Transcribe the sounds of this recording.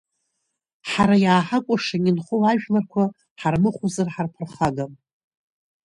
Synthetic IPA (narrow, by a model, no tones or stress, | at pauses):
ħaɾajaːħakʷʼʊʂaɲʲɪnχʷowaʒᶣlarkʷʰa | ħarmɨχʷuzarħarpʰɨrχaɡam